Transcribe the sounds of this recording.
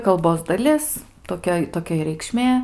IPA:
kɐlˠˈboːs dɐˈlʲɪs toːˈkʲɛ toːˈkʲɛ ɪ rʲɛɪkˈʃʲmʲeː

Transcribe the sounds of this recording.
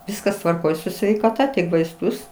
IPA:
ˈʋʲɪskɐs tʋɐrˈkoːj sʊ sʲʋʲɛɪkɐˈtɐ tʲɪk ʋɐɪsˈtʊs

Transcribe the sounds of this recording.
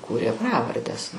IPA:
ˈkuːrʲeː ˈprɑːʋɐrʲdʲɛs

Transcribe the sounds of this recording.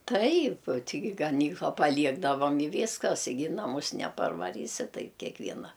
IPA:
ˈtɐɪp ˈtʲɪɡʲɪ ɡɐˈnʲiːklˠɐ pɐˈlʲiɛɡdɐʋɐm ɪ ˈʋʲiːskɐs ɪ ˈɡʲɪ ɪ nɐˈmʊs nʲɛpɐrʋɐˈrʲiːsʲɪ ˈtɐɪp kʲɛkˈʋʲiɛnɐ

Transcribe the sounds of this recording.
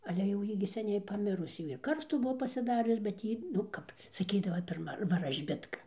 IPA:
ɐlʲɛ jɛʊ ˈjiː ɡʲɪ sʲɛˈnʲɛɪ pɐˈmʲɪrʊs ˈjiː ɪr ˈkɐrstuː ˈbʊʋoː pɐsʲɪˈdɑːrʲʊs bʲɛt ˈjiː nʊ ˈkɐp sɐˈkʲiːdɐʋɐ pʲɪrˈmɐ ʋɐrɐʒʲˈbʲɪtkɐ

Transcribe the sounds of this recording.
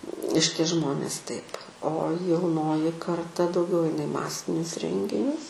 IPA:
ˈʃʲɪtʲiɛ ˈʒmoːnʲeːs tɐɪp oː jɛʊˈnoːjɪ kɐrˈtɐ dɐʊˈɡʲɛʊ ˈɐɪnɐ ɪ ˈmɑːsʲɪnʲʊs ˈrʲɛŋʲɡʲɪnʲʊs

